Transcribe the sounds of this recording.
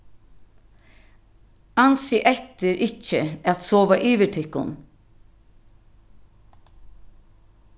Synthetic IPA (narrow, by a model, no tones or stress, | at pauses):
ɑnsiːʔɛt̪əɾʔɪc͡çəɑt̪soːʋaʔiːʋəʈʰɪkʊ̰n